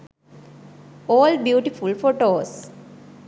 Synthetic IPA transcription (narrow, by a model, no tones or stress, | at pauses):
oːlɖbjuːʈifulfoʈoːs